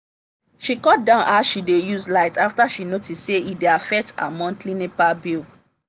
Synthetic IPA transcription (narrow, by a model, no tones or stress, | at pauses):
ʃikɔt̚dãʊ̃nʔaʃidejuzlaɪtaftaʃinotisseideafɛk̚ta̰mɔ̃ntlĩnepabil